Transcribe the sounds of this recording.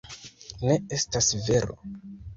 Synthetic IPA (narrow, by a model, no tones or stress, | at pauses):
ne̞e̞stasve̞ɾo̰